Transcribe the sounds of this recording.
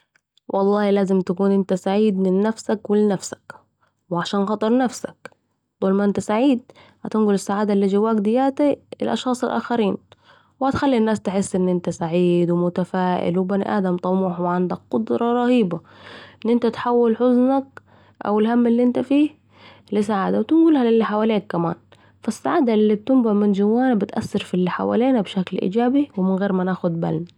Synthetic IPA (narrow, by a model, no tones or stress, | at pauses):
wʔɑlˤːɑːhlaːzɪmt̪akuːnʔɪnt̪asaʕiːd̪mɪnːafsakwɪlɪnafsḁk | wɪʕaʃaːnxɑt̪ˤɑɾˤnafsḁk | d̪̥ˤɑːlmaʔɪnt̪asaʕiːd̪̚ | hat̪ɪnɡʊlɪsːaʕaːd̪alːiːd͡ʒɪwːaːkd̪ɪjːaːt̪iɪ̰lʔɑ̰ʃxɑːsˤɪlʔa̰ːxaɾiːn | what̪xalːinːaːst̪ɪħɪsːʔɪnːʔɪnt̪asaʕiːd̪wɪmʊt̪afaːʔɪ̰lwɪbanḭʔaːd̪amt̪ˤɑmuːħwɪʕand̪ak̚qʊd̪ɾˤɑɾˤɑhiːba | ʔɪnːʔɪnt̪at̪ħawːɪlħʊznak̚ | ʔa̰wɪlɦamːɪlːiːʔɪnt̪afiː | lɪsaʕaːd̪awt̪ɪnɡuːlhalɪlːiħawaːleːkːama̰ːn | fasːaʕaːd̪alːib̚t̪ʊmbaʕmɪnd͡ʒawːaːnabɪt̪ʔa̰sːɪɾfilːiħa̰wa̰ːleːnabʃaklʔḭːd͡ʒaːbiwɪmɪnɣeːɾmanaːxʊd̪̚ba̰lm